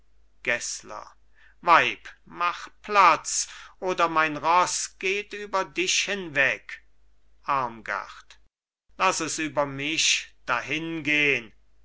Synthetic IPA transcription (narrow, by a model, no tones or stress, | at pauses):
ɡ̥ɛslɐ̰ | vaɪpmaχplat͡sʔoːdɐmaɪnʁɔsɡ̥eːtyːbɐdɪʃhɪnvɛk | ʔaɐmɡa̰χt | lasɛsyːbɐmɪʃd̥ahɪnɡeːən